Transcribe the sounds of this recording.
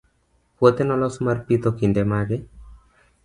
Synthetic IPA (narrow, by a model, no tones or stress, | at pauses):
pot̪ɛnɔlɔsmarpit̪ɔkindɛmaɡɛ